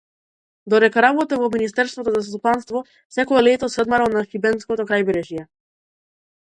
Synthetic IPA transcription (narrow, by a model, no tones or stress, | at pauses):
d̪ɔd̪ɛkaɾabɔt̪avɔminist̪ɛɾst̪vɔt̪ɔzas̬t̪upanst̪vɔ | sɛkɔɛlɛt̪ɔsəd̪maɾalˠnaxibɛnskɔt̪ɔkɾajbɛɾɛʒjɛ